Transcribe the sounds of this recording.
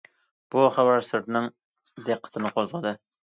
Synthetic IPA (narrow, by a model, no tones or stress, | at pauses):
b̥ʊχavaɾsɪɾt̪nɪŋ | d̪eqʰːɑ̥t̪ʰɪnɪqʰozʁəd̪ɪ